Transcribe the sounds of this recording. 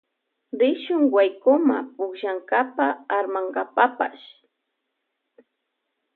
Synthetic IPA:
ɾɪʃʊŋwajkʊma̰pʊkʃaŋkapaaɾmaŋɢapapa̰ʃ

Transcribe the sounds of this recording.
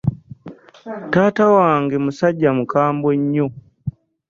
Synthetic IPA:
taːtawaːŋɡemusaɟːamukaːmboɲːo

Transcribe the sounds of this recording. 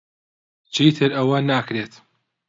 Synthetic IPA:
t͡ʃʰiːt̪ʰɨɾɐwɐnaːkɾeːt̪

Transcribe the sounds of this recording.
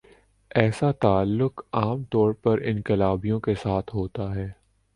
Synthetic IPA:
ɛːsat̪aːlːʊqaːmt̪ɔːɾpɐɾɪ̃nkɪlaːbijõkesaːt̪ʰɦoːt̪aɦɛː

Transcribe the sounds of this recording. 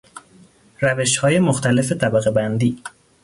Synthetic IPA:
ræveʃhɒːje̞moxt̪ʰæle̞fe̞t̪ʰæbæɣebænd̪iː

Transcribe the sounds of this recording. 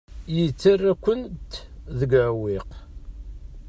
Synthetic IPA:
jət͡sːərːækʷːənt̪ðəɡʕwiq

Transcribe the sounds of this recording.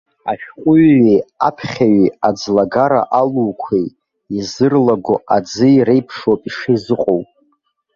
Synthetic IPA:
a̰ʃᶣqʷʼʊɥːiapʰχʲaɥiad͡zlaɡaɾa̰ʔaluːkʷʰej | izɨrlaɡʷoʔad͡zɨɾejpʰʂopʼiʂejzɨqʼowpʼ

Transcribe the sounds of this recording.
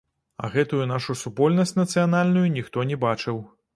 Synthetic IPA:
ɐ̰ɣɛt̪ujun̪aʂusupɔlʲnɐsʲtʲnɐt̪sɨjanalʲnujunʲixt̪ɔnʲɛbat͡ʂɨw

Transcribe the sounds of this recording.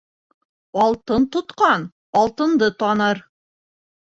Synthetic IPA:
ɑlˠt̪ɤnt̪ŏt̪qɑn | ɒlˠt̪ɤ̆nd̪ɤt̪ɑnɤɾ

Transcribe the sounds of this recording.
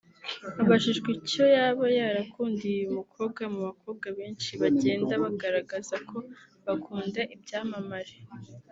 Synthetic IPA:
aβaʃiʒɡico̞jaβajaɾakʰuːndijumukʰo̞ːbɡamuβako̞ːb̚ɡaβeːnt͡ʃiβaɟe̞ːndaβaɡaɾaɡazakʰo̞ | βakʰuːndaʔibɟaːmamaɾe̥

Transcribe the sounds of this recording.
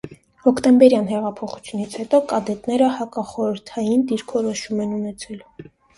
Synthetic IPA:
hɔkʰt̪ɛmbɛɾjɑn̪ɦɛʁɑpʰɔχu̥t͡sʰjunit͡sʰhɛt̪ɔkɑd̪ɛt̪nɛɾəhɑkɑχɔɾəɾt̪ʰɑjind̪iɾkʰɔɾɔʃumɛnunɛt͡sʰɛl

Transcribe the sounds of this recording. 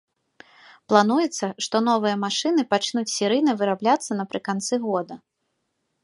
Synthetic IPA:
plˠanujɛt̪sːɐʂt̪ɔn̪ɔvɨjɐmaʂɨnɨpat͡ʂnut͡sʲsʲiɾɨjnɐvɨɾablʲat̪sːɐnɐpɾɨkant̪sɨɣɔd̪ɐ

